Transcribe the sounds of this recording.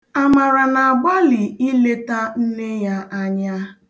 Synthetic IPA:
a˨ma˨ɾa˨na˨a˨ɡ͡ba˦li˨i˦le˦ta˦n̩˦ne˦ja˦ʔa˦ɲa˦

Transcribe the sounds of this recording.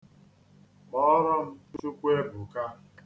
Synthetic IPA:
mɔ˦ɾɔ˦m̩˦tu˦t͡ʃu˦kʷe˦bʊ˨ka˦

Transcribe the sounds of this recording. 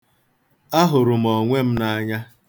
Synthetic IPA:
a˦ɦʊ˨ɾʊ˨m̩˨ɔ˨ŋʷe˦m̩˦na˦˨˦ɲa˦

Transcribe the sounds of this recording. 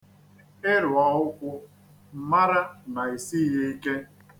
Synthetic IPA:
ɪ˦ɾʊ˨ɔ˨ʊ˦kʷʊ˦ | m̩˨ma˦ɾa˦na˨i˨si˦je˦i˦ke˦

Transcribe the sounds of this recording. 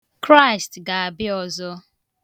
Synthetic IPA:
kɾa˦ɪ˨stɡa˨a˨bɪ˦ɔ˨zɔ˦

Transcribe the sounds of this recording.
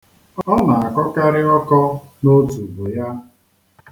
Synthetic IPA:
ɔ˦na˨a˨kɔ˦ka˦ɾɪ˦ɔ˦kɔ˦no˦tu˨bʊ˨ja˦

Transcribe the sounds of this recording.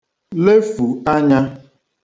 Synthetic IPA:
le˦fu˨a˦ɲa˦

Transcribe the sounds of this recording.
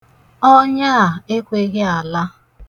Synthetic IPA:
ɔ˦ɲa˦a˨e˦kʷe˦ɣɪ˦a˨la˦

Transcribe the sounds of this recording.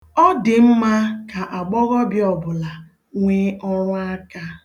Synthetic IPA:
ɔ˦dɪ˨m̩˦ma˦ka˨ʔa˨ɡ͡bɔ˦ɣɔ˦bjɔ˨bʊ˨la˨ | ŋʷe˦ɔ˦ɾʊ˦a˦ka˦

